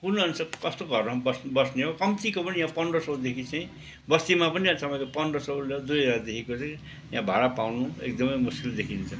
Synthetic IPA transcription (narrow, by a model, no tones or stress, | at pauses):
kunʌnsʌkʌst̪oɡʱʌrmʌbʌsbʌsneɦokʌmt̪ikopʌnijãpʌnrʌsʌwd̪ekʰit͡sʌĩ | bʌst̪imapʌnijãt͡sʌmʌjkopʌnɖʌsʌwlʌd̪ujʌd͡zard̪ekʰekot͡sʌj̃ | jã̰bʱaɽapawnuḛk̚d̪ʌmʌjmuskild̪ekʰint͡sʰʌ